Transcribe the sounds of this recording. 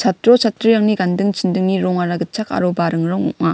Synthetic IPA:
t͡ɕatɯɾot͡ɕat͈ːɯɭjʌŋɲikandɯŋt͡ɕindɯŋɲiɾoŋaɾaɡɯt͡ɕʰaka̰ɾobaɾɯŋɾoŋoŋa

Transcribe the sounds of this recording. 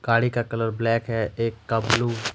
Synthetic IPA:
ɡ̥aːɽikakɐləɾblɛːkɦɛeːkːabluː

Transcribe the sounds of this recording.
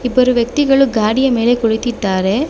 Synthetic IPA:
ibːɐɾuʋjɐk̚t̪iɡɐɭuɡaːɽijɐme̞ːle̞koɭit̪id̪ːaːɾe̞

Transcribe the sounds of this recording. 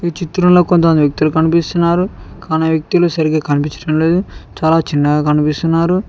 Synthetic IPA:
it͡ʃit̪ːuɾɐmlo̞ːkont̪ɐmɐnd̪ijɐk̚t̪ilukɐnipist̪unːaːɾukaːniʋjɐk̚t̪iloːsɐɾiɡeːkɐnipit͡ʃɐ̥ɽɐmle̞ːd̪ut͡ʃaːlaːt͡ʃinːɐɡaːkɐnipist̪unːaːɾu

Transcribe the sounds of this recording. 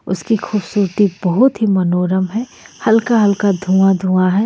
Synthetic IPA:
ʊskixuːbsuːɾt̪ibɐɦʊt̪ɦimɐnoːɾəmɦɛːhɐlkaɦɐlkad̪ʱũad̪ʱũːaɦɛː

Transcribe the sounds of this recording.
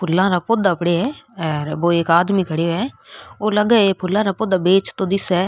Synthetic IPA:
pʰʊlːãːɾaːpoːd̪aːpɽeːɛːɛɾboːeːkaːd̪miːkʰəɽeːɛːoːləɡɛːepʰʊlːãːɾaːpoːd̪aːbeːt͡ʃt̪õːd̪ɪsɛː

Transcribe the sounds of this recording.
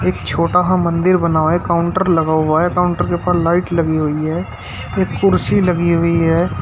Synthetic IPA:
eːkt͡ʃʰoːʈaɦamə̃nd̪ɪɾbənaːekaːʊ̃ɳʈəɾləɡaːɦaɦekaːʊ̃ɳʈəɾkepaːslaːɪʈlɐɡiɦʊiɦɛː | eːkːʊɾsiləɡiɦʊiɦɛː

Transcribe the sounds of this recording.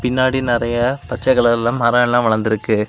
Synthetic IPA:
pɪnːaːɽinɪɾɐjɐpɐt͡ʃːɐɣɐɭɐlãːmɐɾɐːɛlːãːʋɐɭɐnd̪ɪɾɯkːɯ

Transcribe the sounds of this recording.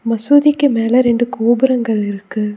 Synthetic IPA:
mɐsuːðɪkːɯmeːlɐɾɛɳɖɯkoːbɯɾɐŋɡɐɭɪɾɯkːɯ

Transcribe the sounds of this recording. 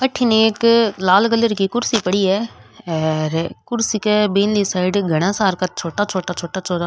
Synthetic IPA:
əʈʰːineːklaːlɡəlːəɾkikʊɾsiːpəɽiːɛː | ɾekʊɾsiːkɛbeːnliːsaːɪɖɡʱəɽ̃ãːsaːɾkat͡ʃʰoːʈaːt͡ʃʰoːʈaːt͡ʃʰoːʈaːt͡ʃʰoːʈaː

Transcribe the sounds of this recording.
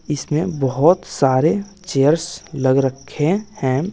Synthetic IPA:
ɪsmẽbəɦʊt̪saːɾe | t͡ʃeɾsləɡɾəkʰehɛ̃

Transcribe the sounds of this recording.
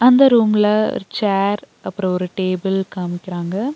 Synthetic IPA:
ɐnd̪ɐɾuːmlɐ̰ɾt͡ʃaːɾ | ɐpːɯɾɐ̃ɔɾɯʈeːbɪlkaːmɪkʲːɪɾaːŋɡɐ

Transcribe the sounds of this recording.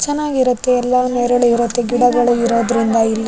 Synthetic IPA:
t͡ʃɛnːaːɡiɾɐt̪ːeɛlːɐneːɾɐɭuiɾɐt̪ːe̞ɡiɽɐɡɐɭuiɾoːd̪ɾind̪ɐilːɐ

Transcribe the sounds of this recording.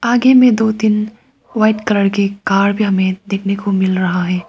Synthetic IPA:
aːɡemẽd̪oːt̪in | ʋaːɪʈkɐləɽkekaːɾbʱiɦɐmẽd̪eːkʰnekomɪlɾɐɦaɦɛː

